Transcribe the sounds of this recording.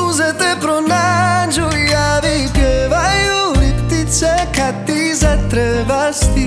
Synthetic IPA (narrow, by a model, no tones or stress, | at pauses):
zɛt̪ɛpɾonad͡ʒujavipjɛvajuit̪isɛkat̪ːizɛt̪ɾɛvast̪i